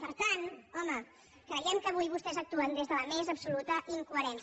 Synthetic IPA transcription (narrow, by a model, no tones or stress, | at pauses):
pəɾt̪anɔmə | kɾəjɛmkəβ̞ujβust̪ɛzək̚t̪uənd̪ezðələmezəpsulut̪əʔiŋkuəɾɛns